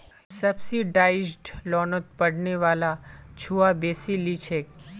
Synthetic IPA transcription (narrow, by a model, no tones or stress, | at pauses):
səbsiɖaːɪd͡ʒɖlɔːnot̪̚pəɽneʋaːlat͡ʃʰuabeːsilit͡ʃʰeːk